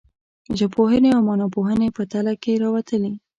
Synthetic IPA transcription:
ʒapoɦəneawmɑnɑpoɦənepət̪alakeɾɑwat̪əli

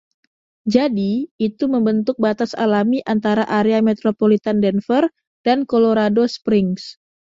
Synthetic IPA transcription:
d͡ʒadiːt̪uməmbənt̪ʊk̚bat̪asa̰lamiʔant̪aɾaʔaɾeamet̪ɾopolit̪andɛnfər | d̥ankoloɾadospɾɪŋs

